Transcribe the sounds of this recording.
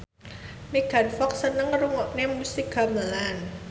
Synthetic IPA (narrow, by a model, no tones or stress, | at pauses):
niɡ̥a̤nfɔksənəŋɾuŋɔʔnemusiɡa̤məlan